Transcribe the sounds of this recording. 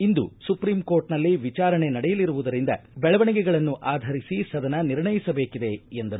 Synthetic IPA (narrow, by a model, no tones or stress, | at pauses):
ind̪ṵsupɾiːmko̞ːɾʈnɐlːiʋit͡ʃaːɾɐɳe̞nɐɽɛjɐliɾuʋud̪ɐɾind̪ɐ̰bɛɭɐʋɐɳiɡɛɡɐɭɐnːuʔaːd̪ʱɐɾisisɐd̪ɐnɐniɾɳɐjisɐbe̞ːkid̪e̞end̪ɐɾu